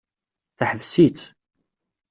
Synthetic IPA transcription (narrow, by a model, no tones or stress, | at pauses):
θaħəvsit͡sː